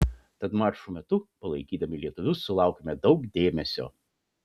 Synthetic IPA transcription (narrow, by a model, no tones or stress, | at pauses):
t̪ɐt̪mɑːɾʃumʲɛt̪ʊpɐlˠɐɪkʲiːd̪ɐmʲɪlʲiɛt̪ʊʋʲʊsʊlˠɑˑʊkʲemʲɛd̪ɒʊkd̪ʲeːmʲɛsʲo̰ː